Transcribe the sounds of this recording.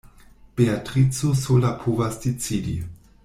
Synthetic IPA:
b̥eatʁit͡sosolapʰovasdet͡sidḭ

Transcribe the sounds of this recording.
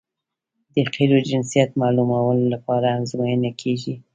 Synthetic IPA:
d̪əqiɾod͡ʒɪnsijat̪mɑlumawəlolapɑɾamzmajənakʰeʒi

